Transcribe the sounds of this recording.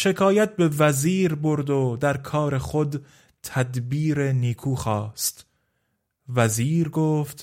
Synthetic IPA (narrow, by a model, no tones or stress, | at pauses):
ʃe̞kʰɒːjæt̪̚be̞væziːɾbo̞ɾd̪od̪æɾkʰɒːɾe̞χod̪ | t̪ʰæd̪biːɾeniːkʰuːxɒːst̪ | væziːɾɡoːft̪